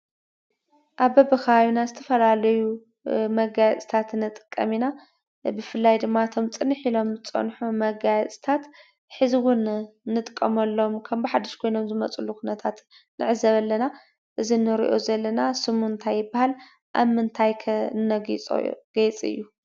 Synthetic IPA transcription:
ʔaβbɐbɐkʰɐβaβinazɨt̪ʰɐ̥fɐlalɐju | mɐɡajɛt͡sʼt̪ʰat̪nɨt̪ʼɨ̥kʼːɐmina | bɨfɨlːajd̪ɨmːat̪ʰo̞mt͡sʼɨnːiħilo̞mɨt͡sʼɐ̰nħumɐɡajɐt͡sʼt̪ʰat̪ | ħɨziwʊnnːɨt̪ʼɨkʼːɐmɐlːo̞mkʰɐmbiħad̪ɐʃkʰo̞jno̞mzɨmɐt͡sʼulukʰunɐt̪ʰat̪ | nɨ̰ʕɨzɐβɐlːɐna | ʔɨzinɨɾḭʔo̞̰zɐlːɐnasɨmuɨnt̪ʰajːɪbahal | ʔa̰βmɨnt̪ʰajkʰɐnɐɡḭɡ̥ɐjt͡sʼɨ̰jːu

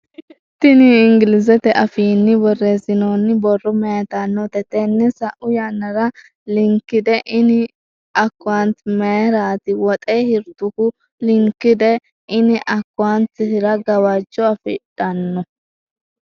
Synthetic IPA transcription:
t̪ːɪniɪŋɡɪlɪzɛt̪ɛʔɐfiːnːɪbɔrːe̞ːsɪnoːnːɪbɔrːɔmɛjt̪anːɔt̪ɛt̪ɛnːɛsɐʔʊjanːɐɾɐ | lɪŋkːɪd̪ɛʔɪnɪ | ɐkːʊant̪mɛjɛɾaːt̪ɪwɔt̪ʼeːhɪɾt̪ʊkʊ | lɪŋkːɪd̪ɛ | ʔɪnɪʔɐkːʊant̪ɪhɪɾɐɡɐwad͡ʒːɔɐfɪ̰ᶑɐnːɔ

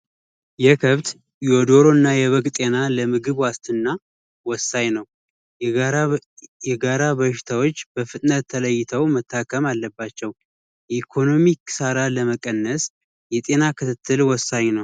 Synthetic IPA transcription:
jɛkʰəβt̪ | jɛod̪o̞ɾo̞nːajɛβəɡt̪ʼe̞naləmɨɡɨβwast̪ʰɨnːa | wɔsaɲnəw | jɛɡaɾaβəʃɪ̥t̪ʰawo̞t͡ʃːbəfɨt̪ʼnət̪ʰːələjːɪt̪ʰəwmət̪ʰːakʰːəmalːəbːat͡ʃːɛw | jɛikʰo̞no̞miksaɾaləməkʼənːəs | jɛt̪ʼe̞nakʰɨt̪ʰɨt̪ʰːɨlwɔsːaɲnəw

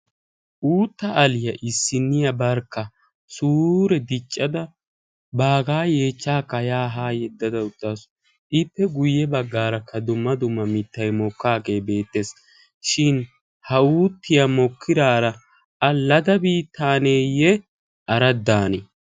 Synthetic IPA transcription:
ʔuːt̪ːɐʔɐlɪjɐʔɪsːɪnːɪjɐbɐɾkːɐ | suːɾɛd̪ɪt͡ʃʼːɐd̪ɐ | baːɡaːje̞ːt͡ʃːaːkːɐjaːɦaːjɛd̪ːɐd̪ɐʊt̪ːaːsʊ̥ | ʔɪpːɛɡʊjːɛbɐɡːaːɾɐkʰɐd̪ʊmːɐd̪ʊmːɐmɪt̪ːɐjmɔkːaːɡe̞ːbe̞ːt̪ːe̞ːs | ʃɪn | hɐuːt̪ːɪjɐmɔkʰːɪd̪aːɾɐ | ɐlɐd̪ɐbiːt̪ʰːaːneːjɛ | ʔɐɾɐd̪ːaːnɛ

